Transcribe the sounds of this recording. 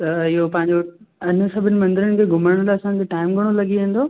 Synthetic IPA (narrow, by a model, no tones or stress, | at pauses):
t̪ɐɪɦopɐ̃ɦɪ̃ɲd͡ʑo | ɪn̆sɐbʱɪnɪ̆mɐ̃nd̪ɪɾənɪ̆kʰeːɡʱʊməɾəɽ̃laɐsã̆ːd͡ʑoʈaːɪmɡʱɐɽ̃olɐɡiẽːn̆d̪oː